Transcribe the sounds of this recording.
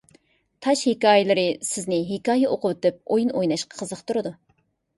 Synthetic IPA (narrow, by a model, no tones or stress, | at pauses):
t̪ʰɑʃhekɑːjelˠɨɾɨsɪznɪɦekɑːjɛʔoqʊwɨt̪ɨp̚ojinojnɑʃqɑ̥qʰːəzəχqt̪uɾɨd̪u